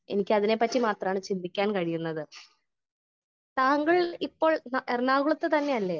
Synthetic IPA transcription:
e̞̰nikʲːɨɐðinepɐtːimaːt̪rɐmaːɳɨt͡ɕind̪ʱikʲːaːnkɐɻijunːɐðɨ | t̪aːŋɡɐɭipːo̞ːɭnʔernaːɣuɭɐt̪ːet̪ɐnːe̞ɐlːeː

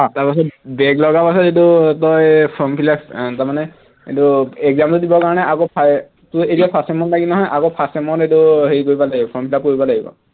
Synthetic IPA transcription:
hɔ̃taɹpasɔtbɛɡlɔɡapasɔtetutɔjpʰɔmpʰilaptamanɛ | etuɛɡzamtudibɔkaɹɔnɛʔaɡopʰ | tʊetiapʰasɛmɔnlaɡinɔɦɔjʔaɡopʰasɛmɔnetuɦeɹikoɹibɔlaɡibɔpʰɔmpʰilap̚koɹibɔlaɡibɔ̰

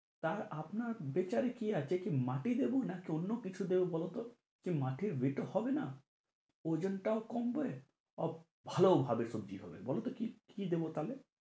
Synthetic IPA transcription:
t̪aɾapnaɾbet͡ɕaɾekiat͡ɕʰekimaʈid̪ebonakionːokit͡ɕʰud̪ebobɔlot̪o | kimaʈʰiɾbeʈohɔbena | od͡ʑonʈaokɔmbe | ɔ | bʱalobʱabeɾsobd͡ʑḭɦɔbḛbɔlot̪okikid̪ebot̪ale

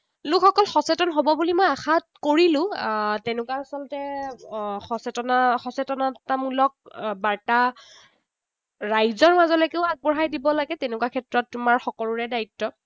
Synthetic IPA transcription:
lʊkʰɔkɔlxɔsɛtɔnɦobɔbulimɔjaxatkoɹilʊ̃tɛnʊkwaːsɔlɔtɛ | xɔsɛtɔnaxɔsɛtɔnatamulɔk̚baɹta | ɹajzɔɹmazɔlɔkeʊak̚bɔɹɦajdibɔlaɡɛtɛnʊkuwakʰɛtɹɔtːumaɹxɔkɔluɹɛdaitːɔ

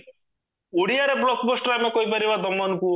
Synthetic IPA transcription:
uɽiaɾeblɔkbosʈɾajmekoibɐɾibad̪ɔmːɔnku

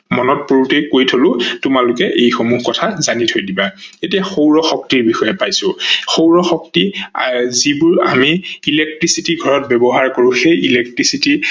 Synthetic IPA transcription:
mɔnɔt̚poɹutɛkojtʰolʊtʊmalʊkɛʔejxomuɦkɔtʰazanitʰojdibaetiaxowɹɔxɔk̚tiɹbixɔjɛpajsʊ̃xowɹɔxɔk̚ti | zibuɹa̰miːlek̚tɹisitiɡʱɔɹɔt̚bɛbɔɦaɹkoɹʊ̃xejilɛk̚tɹisiti

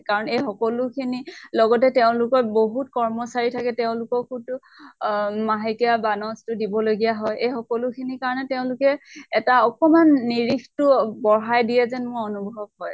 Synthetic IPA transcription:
kaɹɔnejxɔkɔlʊkʰinilɔɡɔtɛteʊ̃lʊkɔboɦut̚kɔɹmɔsaɹitʰakɛtɛʊ̃lʊkɔkutʊ | maɦekijabanɔstʊdibɔloɡijaɦɔjejxɔkɔlʊkʰinikaɹɔnɛtɛʊ̃lʊkɛɛtaɔkɔmanːiɹikʰtʊbɔɹajdijɛzɛnmʊɹɔnubʱɦɔb̚ɦɔj

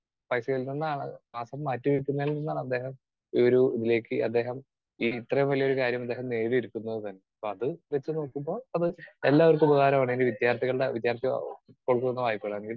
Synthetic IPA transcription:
pɐjsɐɣɐɭilninːaːɳɨmaːsɐmːaːtːuʋiɭkːunːɐilninːaːɳɐd̪ːe̞ːɦɐm | ioɾuiðile̞ːkːɨɐ̰d̪ːe̞ːɦɐm | iːit̪rɐjmʋɐliɐoɾukaːɾjɐmɐd̪ːeːɦɐmne̞ːriiɾukʲːunːɐðɨt̪ɐnːe̞ɐpːoːɐðɨʋet͡ɕːɨno̞ːkːumbo̞ːɭɐðɨelːaːʋɐrkɨbɐɣaːɾɐmaːɳindiʋid̪jaːrt̪ʰiɣɐɭɽeʋid̪jaːrt̪jɐ̰koɭkːunenːɐʋaːjipːeɭɐneŋɡil

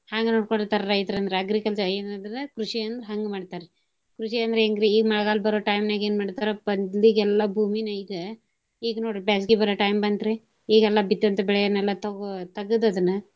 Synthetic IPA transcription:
haːŋɡenoːɽkoɳɖt̪ɐɾɐɾɐjt̪ɐɾɐnd̪ɾeɐɡɾikɐlt͡ʃɐɾɐenɐd̪nɐkɾuʂiɐnd̪ɾeɦɐŋɡmaːɖt̪aːɾe | kɾuʂiɐnd̪ɐɾeeːŋɡɾeiːɡmɐɽɐɡaːlbɐɾoʈɐjmneɡeːnmaːɽt̪aːɾobɐnd̪liɡɛlːɐbʱuːminɐjid̪e | iːɡnoːɽbaːs̬ɡibɐɾoːʈɐjmbɐnd̪ɾe | iːɡɛlːɐbit̪ːɐnt̪ɐbɛɭɛjɐnɛlːɐt̪ɐt̪ɐɡɐd̪ɐd̪ɐnːɐ

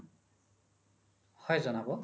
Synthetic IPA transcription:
hʌjd͡zʌnabo

